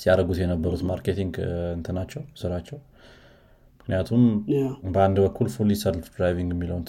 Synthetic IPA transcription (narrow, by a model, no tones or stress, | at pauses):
siaɾəɡut̪jɛnəbːəɾut̪maɾkʰet̪ʰiŋɡɨnt̪ʰɨnat͡ʃːɛwsɨɾat͡ʃːɛw | mɨkʰnijat̪ʰumbəand̪bəkʰːulfulisəllfd̪ɾajviŋɡɛmːiləwnt̪ʰ